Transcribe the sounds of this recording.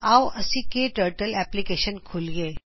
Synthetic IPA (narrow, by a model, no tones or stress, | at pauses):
aːwɐsikeʈəːɾʈəlɛːplikeːʃənkʰʊlɡeː